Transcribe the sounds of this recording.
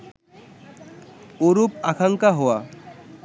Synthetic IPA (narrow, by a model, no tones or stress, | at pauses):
oɾupakʰaŋkaɦɔwa